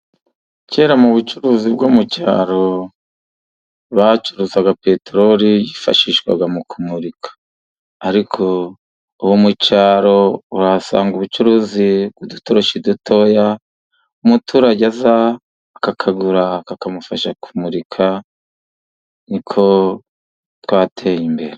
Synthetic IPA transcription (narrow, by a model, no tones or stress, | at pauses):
ceːɾamuβut͡ʃuɾuːzib̚ɡomuca̰ːɾo̞ | βat͡ʃuɾuzaɡape̞teɾoɾijifa̰ʃiːʃɡwa̰ɡamukumuɾikʰḁː | ɾikʰo̞ | uwomucaːɾo̞uɾasa̰ːŋɡuβut͡ʃuɾuziɡ̥udutoɾoʃidutʰo̞ja | umutʰuɾaɟazaː | kakʰaɡuɾakakamufaʃakʰu̥muɾikʰa | nikʰo̞ | twaːtʰe̞ːjimbe̞ɾe